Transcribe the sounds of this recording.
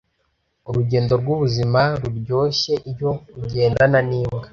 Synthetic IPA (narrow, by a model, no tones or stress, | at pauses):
uɾuɟe̞ːndo̞ɾɡwuβuzimaɾuɾɟo̞ːɕe̞ʔiɾjo̞ɾuɟe̞ːndananiːmɡa